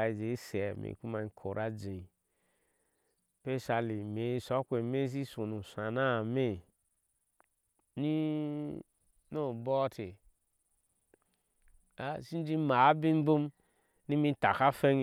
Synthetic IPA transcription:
a˨i˨d͡ʒe˨i˦se˨mḛ˨ku˦ma˨i˦˨kʰo˨ɾa˦d͡ʒe˨i˨ | pe˦sa˨li˨me˨˦˨sɔ˨˦kʷe˨me˦s̬i˦so˨nu˨sa˨na˦˨me˦˨ | ni˦ | no˦˨bɔ˦te˨ | a˦˨si˦n˦d͡ʒi˦ma˨˦bi˦m̩˦bu˦m | ni˦mi˦ta˨ka˦fe˦ŋ

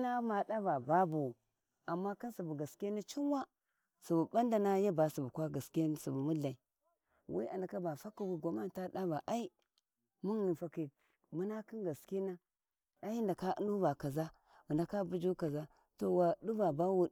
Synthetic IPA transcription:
na˦ma˨da˦ba˨ba˦bu˨ | a˨mːa˦ki˦si˨bu˨ɡa˨ske˦ni˦t͡ʃi˦nwa˦ | su˨bu˨ba˦nda˨na˦ja˦ba˨su˨bu˨kwa˦ɡa˨ske˦n˦su˨bu˨mu˦ɮa˨i˨ | wʔḭ˦a˨nda˨ka˦ba˨fa˦ki˨wi˦ɡʷo˨ma˦n˨ta˦ɗa˦ba˨ʔa˦i˦ | mu˦ŋ˨ni˨fa˨ki˨ | mu˦na˦ki˦nɡa˨ske˦na˦ | a˦i˦nda˨ka˦ṵ˦nu˦ba˨ka˨za˦ | u˨nda˨ka˦bu˦d͡ʒu˦ka˨za˦ | to˨wa˨ɗu˦ba˨ba˦wu˦˨ɗ

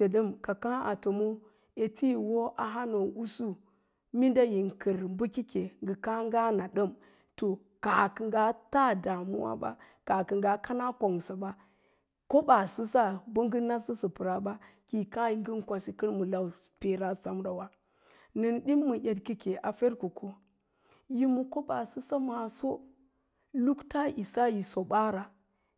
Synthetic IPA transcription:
e˨ɗə˦mka˨ka˦a˨to˨mo˦ | e˨tʰi˦wo˦ʔa˨ɦa˦no˨u˦su˦ | mi˦nda˦ji˨ŋkə˨ɾmbu˦ki˦ke˨ŋɡə˨ka˦ŋɡa˦na˨ɗə˦m | to˨ | ka˨kə˨ŋɡa˦ta˦da˨mṵ˦wa̰˦ba̰˦ | ka˨kə˨ŋɡa˨ka˦na˦ko˨ŋsa˨ba˦ | ko˦ba˨sɨ˦sa˦bə˦ŋɡə˦na˦sə˦sə˨pɨ˨ɾa˦ba˦ | ki˨ka˦ji˦ɡə˦n˦kʷa˨si˦kə˦nmu˨la˨w | pe˨ɾa˦sa˨mɾa˨wa˦ | nə˨nɗi˦mːu˨jʲe˨dki˦ke˨ʔa˨fe˦ɾku˨kʰo˦ | ji˦mu˨ko˦ba˨sɨ˦sa˦ma˨so˦ | lu˦kta˦i˨sa˦ji˨so˨ba˦ɾa˨

